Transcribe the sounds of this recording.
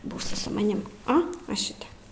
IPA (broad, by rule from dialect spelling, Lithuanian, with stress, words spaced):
ˈbuːsʲɪ sʊ mɐˈnʲɪm oː ʋɐ ˈʃʲɪtʲɛp